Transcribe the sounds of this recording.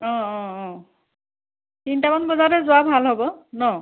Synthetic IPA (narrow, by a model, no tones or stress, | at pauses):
ɔ̃ɔ̃ɔ̃ | tintamanbɔzaɹɛzʊabʱalɦɔbɔnɔ